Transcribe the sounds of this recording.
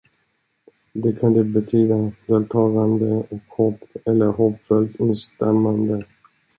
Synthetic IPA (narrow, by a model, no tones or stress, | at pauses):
d̪ɛkʰand̪ɛbɛt̪ʰyːd̪ad̪eːlt̪ʰɑːɡand̪əɔkhɔpːɛlːəɾɦɔpːfœlt̪ɪnst̪ɛɾmand̪ə